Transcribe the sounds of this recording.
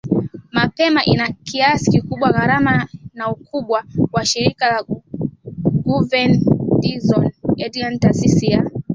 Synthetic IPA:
mapɛmaʔinakiasi̥kikuɓwaɣaɾamanaukuɓwawaʃiɾikala | ɡuvɛndizɔnɛdiantasisia

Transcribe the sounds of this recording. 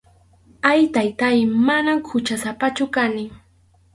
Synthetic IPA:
ajt̪ajt̪ajmanamhʊt͡ʃasapat͡ʃʊkanɪ

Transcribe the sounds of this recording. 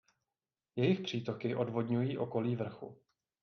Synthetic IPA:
jɛjɪxpr̝̥iːt̪o̞kɪʔo̞dvo̞dɲujiːʔo̞ko̞liːvr̩xṵ

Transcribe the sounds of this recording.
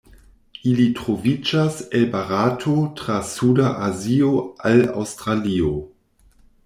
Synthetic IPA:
ilitɾovid͡ʒaselbaɾatʰotɾasudaʔazioala̰wstɾalio

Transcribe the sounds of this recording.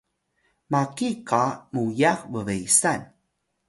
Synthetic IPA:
makikamujaxvəvejsan

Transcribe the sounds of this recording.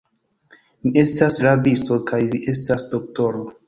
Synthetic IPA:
mie̞stasɾabistokajmiʔe̞s̬tasdok̚to̞ɾo

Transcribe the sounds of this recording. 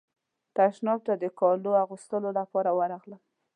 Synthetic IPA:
t̪aʃnɑb̚t̪ad̪əkɑloaɣust̪əlolapɑɾawaɾaɣlə

